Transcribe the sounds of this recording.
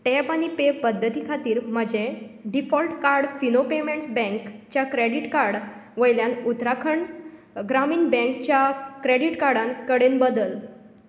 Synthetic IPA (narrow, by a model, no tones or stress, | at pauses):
ʈepanipepəd̪ʱːət̪iːkʰat̪iːɾm̤əd͡ʑeɖifɔlʈkaɾɽfinopemeɳʈsbɛ̃ŋkt͡ɕjakɾeɽiʈkaɾɽʋəjljãnut̪ɾakʰəɳ | ɡɾamiːnbɛ̃ŋkt͡ɕjakɾeɽiʈkaɾɽãnkəɽenbəd̪əl